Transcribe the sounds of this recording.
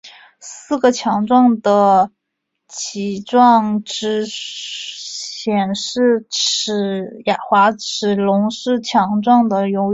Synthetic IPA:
sɹ̩˥˩ɡə˩t͡ɕʰjɑ˧˥ŋʈ͡ʂwɑ˥˩ŋd̪ə˩ | t͡ɕʰi˧˥ʈ͡ʂwɑ˥˩ŋʈ͡ʂɻ̩˧˥ | ɕjɛ˨˩nʂɻ̩˥˩ʈ͡ʂ̩ʰ˨˩ | ja˨˩xwa˧˥ʈ͡ʂ̩ʰ˨˩lʊ˧˥ŋʂɻ̩˥˩t͡ɕʰjɑ˧˥ŋʈ͡ʂwɑ˥˩ŋd̪ə˩jo˧˥ʊ

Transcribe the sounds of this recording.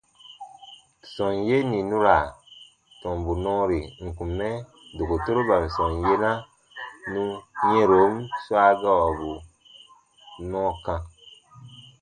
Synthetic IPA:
sɔ̃˨nje˦nĩ˨nũ˦ɾa˨ | tɔ̃˨mbu˨nɔ̃ː˦ɾi˨ŋ̩˨kũ˨mːɛ˦ | do˨ko˨to˦ɾo˦ba˨n̩˨sɔ̃˨nje˦na˦ | nũ˦ɲẽ˦ɾo˨˦mswa˦ɡa˦wa˨bu˨ | nɔ̃ː˦kã˧

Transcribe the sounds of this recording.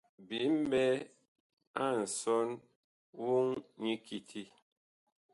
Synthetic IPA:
bi˨˦m̩˦bɛ˦ | a˦˨n̩˨sɔ˦n | wu˦ŋɲi˦ki˨tʰi˦

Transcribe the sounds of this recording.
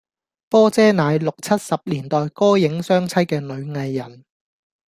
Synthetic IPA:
pɔː˥t͡sɛː˥naː˨˧jlʊ˨k̚t͡sʰɐ˥t̚sɐ˨p̚liː˨˩nt̪ɔː˨jkɔː˥jɪ˨˥ŋsœː˥ŋt͡sʰɐ˥jkɛː˧nɵ˨˧ɥŋɐ˨˧jːɐ˨˩n

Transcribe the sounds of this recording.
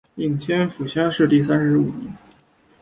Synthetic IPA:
i˥˩ŋt͡ɕ̪ʰjɛ˥nfu˨˩ɕjɑ˥ŋʂɻ̩˥˧t̪i˥˩s̬a˥nʂɻ̩˧˥u˨˩nɛ˧˥n

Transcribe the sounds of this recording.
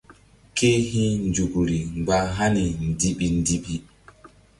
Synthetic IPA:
kʰe˦ɦi˦nd͡ʒu˨ɡu˨ɾi˨ŋɡaː˨ɦa˦ni˨ndi˦ɓi˨ndi˦ɓi˨

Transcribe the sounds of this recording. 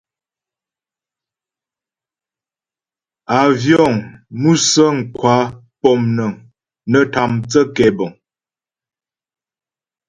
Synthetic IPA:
a˨vjɔ˦˨ŋmu˦sə˦ŋ̩˨kwa˨˦ | pɔ˨mnə˨ŋ | nə˨ta˨mt͡sə˦kɛ˨bɔ˨ŋ

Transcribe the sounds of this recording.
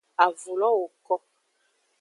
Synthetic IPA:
a˨vo˨lɔ˦o˨kɔ˦

